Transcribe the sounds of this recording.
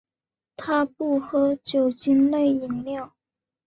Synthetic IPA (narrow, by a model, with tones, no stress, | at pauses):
t̪ʰa˥pu˥˩xɤ˧˥t͡ɕjo˨˩ʊt͡ɕi˥nle˥˩ɪi˨˩nljɑ˥˩ʊ